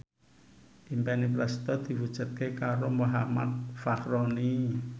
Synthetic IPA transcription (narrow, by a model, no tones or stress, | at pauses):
ʔimpɛnipɾɛst̪ɔd̪̥i̤wud̥ʒ̥ṳt̪̚kekaɾomoɦama̰t̪̚fakɾɔni